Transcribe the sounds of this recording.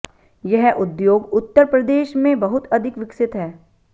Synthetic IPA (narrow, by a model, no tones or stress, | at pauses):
jɐɦʔʊd̪joːɡʊt̪ːəɾpɾəd̪eːʃmẽbɐɦʊt̪ɐd̪ʱɪkʋɪksɪt̪ɦɛː